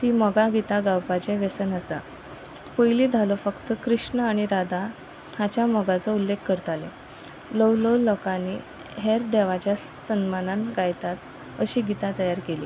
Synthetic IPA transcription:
t̪iːməɡaɡit̪aɡawpat͡ɕeʋesənəsa̰ | pəjliːd̪ʱalɔfəkt̪əkɾiʂɳəaɽ̃iɾad̪a | hat͡ɕjaməɡat͡səulːekːəɾt̪ale | ləwlolɔkaniː | ɦeɾd̪eʋat͡ɕja | sənmananɡajt̪at̪ | əɕiːɡit̪at̪əjaɾkeliː

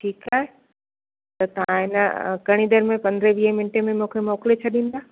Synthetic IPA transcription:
ʈʰiːkaːɦe | t̪ɐt̪ɐʋ̤ãɪnəkɐɽ̃ĩd̪əɾmẽpɐ̃nd̪ɾeʋiːɦəmɪnʈemẽmũːkʰemoːklet͡ɕʰɐɗĩːn̆d̪aː

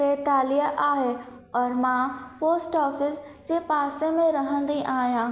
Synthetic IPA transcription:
et̪aːliɦəʔaːɦe | ɔːɾmãpoːsʈɔːfɪsd͡ʑeːpaːsemẽɾɐɦə̃nd̪iʔaːɦijãː

